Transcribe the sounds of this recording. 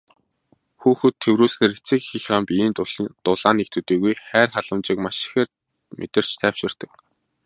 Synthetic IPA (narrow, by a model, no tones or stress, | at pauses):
xuːxɘ̆t̪ʰːewɾuːsneːɾet͡sɘ̆kxixraːmpiiːnt̪ʊɮt̪ʊɮaːnek̚t̪ʰuːt̪iːɣujχæːrχaɮə̆mt͡ɕɪ̆kmaʃɪ̥xeːr | mʔḛt̪ɪ̆r̥t͡ɕt̪ʰæːw̥ʃɪ̆r̥t̪ə̆k